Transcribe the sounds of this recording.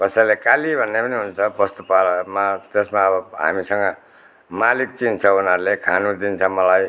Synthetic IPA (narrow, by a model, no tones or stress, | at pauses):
kʌsailekalibʱʌnːepʌniɦunt͡sʰʌbʌst̪upalmat̪esmaːbʌɦa̰misʌŋɡʌ | malikt͡sint͡sʰʌunʌɾlekʰanud̪int͡sʰʌmʌlaj